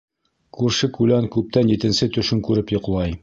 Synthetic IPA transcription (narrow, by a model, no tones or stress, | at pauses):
kʉɾʃɘkʉlænkʉp̚t̪ænjit̪ɘ̆nsɘt̪ɵ̆ʃɘŋkʉɾɘpjŏqlˠɑj